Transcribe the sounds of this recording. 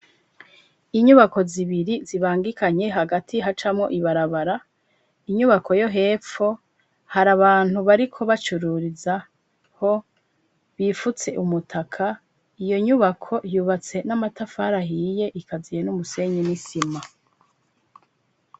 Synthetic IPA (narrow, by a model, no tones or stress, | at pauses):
iɲuβako̞ziβiɾiziβaːŋɡikʰaɲe̞ɦaɡatʰiɦat͡ʃamŋo̞ʔiβaɾaβaɾa | iɲuβakʰo̞jo̞ɦe̞ːfo | haɾaβaːn̥huβaɾikʰo̞βat͡ʃuɾuɾiza | ho̞ | βifut͡se̞ʔumutʰakʰa | ijo̞ɲuβakʰo̞juːβat͡se̞namatafaɾaɦiːje̞ʔikʰazijenumuse̞ɲenisima